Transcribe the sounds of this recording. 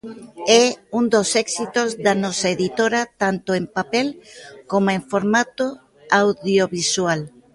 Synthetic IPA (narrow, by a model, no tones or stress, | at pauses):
ɛund̪osɛksit̪ozðanɔsɐeðit̪oɾɐt̪ant̪ʊempapɛlkomoẽɱfoɾmat̪o | awðjoβiswal